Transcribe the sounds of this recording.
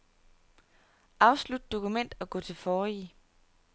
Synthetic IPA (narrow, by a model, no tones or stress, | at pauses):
ʔɑ̈ʊslud̥̚d̥o̝kʰumen̰d̥ɒ̽ɡ̥ɔ̰̽ːt͡sʰe̝lfɒːi